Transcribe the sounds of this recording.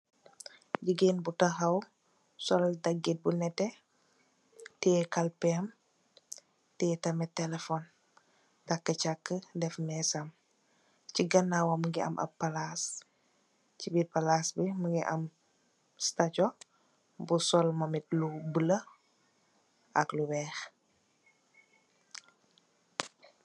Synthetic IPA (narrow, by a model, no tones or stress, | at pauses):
d͡ʒiɡinbutɐxɐw | sɔldɐɡːit̚bunɛtːɛ | tɛːkalpɛm | tɛtɐmɛtɛlɛfɔn | takːət͡ʃakːədɛfmɛsam | ciɡɐnːawɐməɡiʔɐ̰mʔɐ̰pːɐlas | cibipalasbiməɡiʔɐ̰m | stat͡ʃɔ | busɔlmɐmit̚lubələ | ʔɐ̰kluwɛːx